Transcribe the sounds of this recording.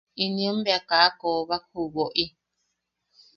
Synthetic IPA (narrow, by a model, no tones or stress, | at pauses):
inəm̩bjakakɔβak̚ʰubɔʔi